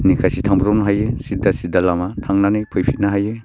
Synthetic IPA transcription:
nikʰajsitʰaŋbɾumnɦajesidasidalamatʰaŋnanepʰujpʰit̚naɦaje

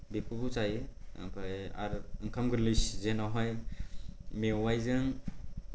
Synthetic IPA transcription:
bikʰubusajɯ̰ŋkʰa̰ɾɯŋkʰamɡɯɾliszenɔɦɔj | mewajzɯŋ

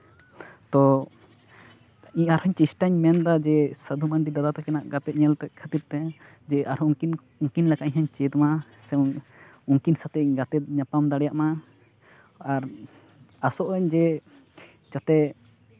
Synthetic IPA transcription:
t̪ɔ | iɲaɾhɔɲt͡ʃisʈaɲmɛnd̪ad͡ʒɛsəd̪ʱumanɖid̪ad̪at̪ɔkɛnaʔɡat̪ɛt̪̚ɲɛlt̪ɛʔ̪̚kʰət̪ip̚t̪ɛ | d͡ʒɛʔaɾhɔin | uŋkinlakaʔɲɦaɲt͡ʃɛd̪ma | sɛmuŋkinsat̪ɛɡat̪ɛt̪̚ɲapamd̪aɽɛjaʔma | aɾ | asɔʔəɲd͡ʒɛ | t͡ʃat̪ɛ

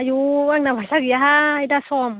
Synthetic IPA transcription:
ajuwaŋnabasakjaɦajdasɔm

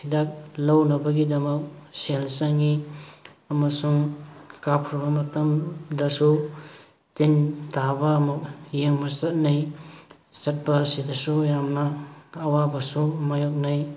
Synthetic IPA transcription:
idak̚lawnɐbɐɡidɐmɐk̚selsaŋi | ɐmɐsuŋkapʰɾabɐmɐtɐmdɐsu | tintʰabɐːmɐk̚jeŋmasɐt̚naj | sɐt̚bɐsidɐsujamnɐːwabɐsumajok̚naj

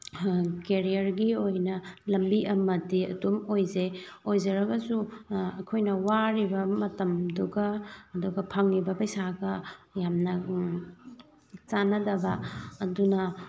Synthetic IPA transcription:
keɾijɐɾɡiojnɐlɐmbiʔɐmɐdiɐ̰dumojzeojzɐɾɐɡɐsuɐkʰojnɐwaɾibɐmɐtɐmduɡɐːduɡɐpʰɐŋnibɐpɐjsaɡɐjamnɐ | t͡ʃanɐdɐbɐːdunɐ

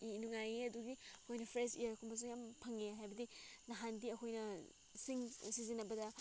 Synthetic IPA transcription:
nuŋajeɐduɡiɐkʰojnɐpʰɾesḭjaɾkʰumbɐs̬ujampʰɐŋeɦajbɐdinɐɦandiɐkʰojnɐ | siŋsizinɐbɐdɐ

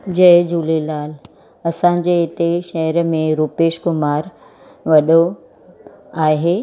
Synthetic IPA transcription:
d͡ʑɐɦd͡ʑuːlelaːl | ɐsãːɲ̆d͡ʑeɪt̪eʃɐɦəɾmẽɾuːpeːʃkʊmaːɾ | ʋɐɗo | aːɦeː

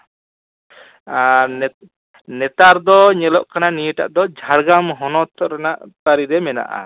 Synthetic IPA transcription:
n | nɛt̪aɾd̪ɔɲɛlɔʔkananijəʈa̰ʔd̪ɔd͡ʒʱaɽɡamɦɔnɔt̪ʰɾanaʔt̪aɾiɾɛmɛna̰ʔa̰

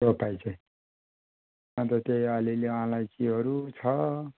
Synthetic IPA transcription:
ɾopajt͡sʰʌj̃ | ʌnt̪ʌt̪eʌlilewɦãlajt͡siɦʌɾut͡sʰʌ

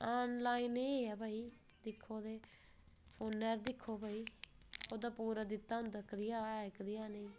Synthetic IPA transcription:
aːnlaːiːneːeɛːbʱaːiː | d̪ɪkʰːoːd̪eː | pʰoːnːɛːɾd̪ɪkʰːoːbʱaːiː | oːd̪aːpuːɾaːd̪ɪt̪ːãːnd̪əkʰd̪ɪjãːɛːkd̪ɪjaːneĩː

